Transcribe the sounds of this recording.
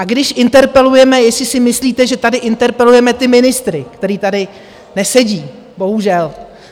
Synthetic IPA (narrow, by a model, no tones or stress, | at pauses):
ʔaɡdɪʃʔɪnt̪ɛɾpɛlujɛmɛjɛsɪsɪmɪsliːt̪ɛʒɛt̪adɪʔɪnt̪ɛɾpɛlujɛmɛt̪ɪmɪnɪst̪ɾɪkt̪ɛɾiːt̪adɪ | nɛsɛɟiː | bo̞ɦuʒɛl